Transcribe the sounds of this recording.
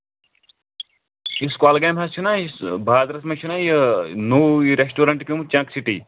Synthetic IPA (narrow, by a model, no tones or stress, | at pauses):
iskalɡajmɦast͡ʃʰunaːisbʱaːd̪ɾɐsmɐt͡ʃʰunaːjinoːɾesʈuːɾɐɳʈkʲimt͡ʃãːksiʈḭ